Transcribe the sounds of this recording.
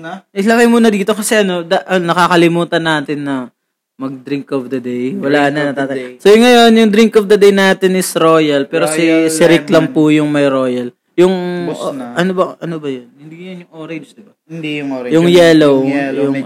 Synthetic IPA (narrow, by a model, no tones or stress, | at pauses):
ɪlɐkɐjmuːnɐd̪iːt̪okɐsɛʔɐno̞d̪aʔɐnɐkaːkɐlɪmuːt̪ɐnaːt̪ɪnːɐ | mɐɡ̚d̪ɾɪŋkɔfd̪ɐd̪ejwɐlaːnɐnɐt̪aːt̪asojʊŋːɐjo̞njʊŋd̪ɾiŋkɔfd̪ɐd̪ejnaːt̪ɪnʔɪsɾo̞ːjɐlpɛːɾosɪsɪɾɪklɐŋpʊjʊŋmɐjɾo̞ːjɐl | jʊŋ | ʔɐnobɐʔɐnobɐjɐnhɪnd̪ijɐnjʊŋʔoːɾɐd̪ɪb | d̪iʊŋːjʊŋjɛːlowjʊŋ